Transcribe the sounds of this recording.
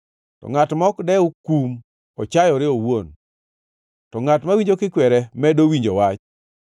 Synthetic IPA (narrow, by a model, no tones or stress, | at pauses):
tɔ̰ŋatmɔkdɛʊkum | ɔt͡ʃajɔɾɪowon | tɔŋatmawiɲd͡ʒokɪkwɛɾɛmɛdowiɲd͡ʒowat͡ʃ